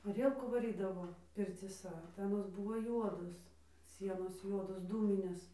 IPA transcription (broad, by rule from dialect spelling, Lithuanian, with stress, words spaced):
ˈɑːrʲiɛlˠkuː ʋɐˈrʲiːdɐʋoː pʲɪrʲt͡sʲiːˈsɐ tɐɪ ɐˈnoːs ˈbuːʋoː ˈjuɔdoːs ˈsʲiɛnoːs ˈjuɔdoːs ˈduːmʲɪnʲeːs